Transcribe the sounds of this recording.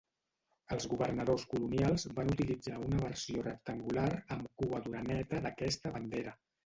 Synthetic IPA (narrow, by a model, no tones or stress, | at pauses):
əlˠzɣuβərnəð̞oskulunjalˠzβanut̪ilid͡zaunəβəɾsiorək̚t̪əŋɡulaɾəmkuəðuɾənɛt̪əðəkɛst̪əβənd̪eɾə